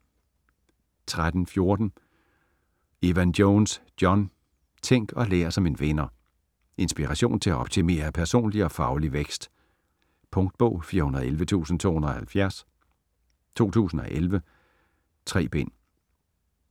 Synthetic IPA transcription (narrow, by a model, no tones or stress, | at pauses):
t͡sʰʁad̥n̩fjo̝ɐd̥n̩ | eʋændjoːnsd̥jɒ̽n | t͡sʰeŋ̰ɡ̥ɒ̽lḛːɐsɒ̽me̝nʋenɐ | e̝nsb̥iʁɑɕo̝̰ːnt͡sʰe̝æɒ̽b̥t͡sʰime̝̰ːɐpʰæɐso̝̰ːnliɒ̽fɑ̈ʊliʋeɡ̥sd̥ | pʰɔ̽ŋ̚d̥̚b̥ɔ̽ʊ̰fiːɐhunɐð̩ˠelʋət͡sʰṵːsn̩t͡sʰo̝̰ːhunɐɒhælfjæɐs | t͡sʰo̝̰ːt͡sʰṵːsn̩ɒ̽ʔelʋə | t͡sʰʁɛ̰ːb̥en̰